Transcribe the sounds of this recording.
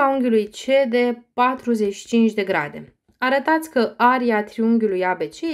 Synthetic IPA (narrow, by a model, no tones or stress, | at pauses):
auŋɡʲjulujt͡ʃe̞d̪e̞pat̪ɾuze̞t͡ʃi̥t͡ʃint͡ʃd̪e̞ɡɾa̰d̪e̞̰ | aɾət̪at̪sʲkəaɾiat̪ɾiuŋɡʲulujabe̞t͡ʃe